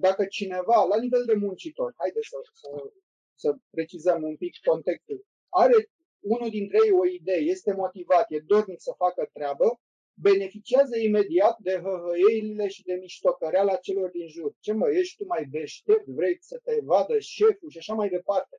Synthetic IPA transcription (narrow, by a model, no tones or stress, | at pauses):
d̪akət͡ʃine̞valanive̞ld̪e̞munt͡ʃit̪o̞rhajd̪et̪səsə | səpɾe̞t͡ʃizəmumpikːo̞nt̪e̞kst̪ul | aɾe̞ | unud̪int̪ɾejejo̞id̪e̞je̞st̪e̞mo̞t̪ivat̪jed̪o̞rnit̪səfakət̪ɾeabə | be̞ne̞fit͡ʃiazəime̞d̪iat̪̚d̪e̞ɦəɦəjelile̞ʃid̪e̞miʃt̪o̞kəɾealat͡ʃe̞lo̞rd̪inʒurt͡ʃe̞məje̞ʃt̪umajd̪e̞ʃt̪e̞p̚t̪vɾesət̪e̞vad̪əʃe̞fuʃiaʃamajd̪e̞part̪e̞